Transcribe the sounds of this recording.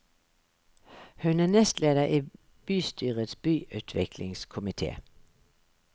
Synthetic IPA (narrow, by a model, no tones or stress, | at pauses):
hʉnæːnɛst̪leːd̪əʔiː | b̥yːst̪ʰyːʁət̪sbyːʔʉːt̪ʰʋɪkʰlɪ̰ŋskʰʊmɪt̪ʰḛː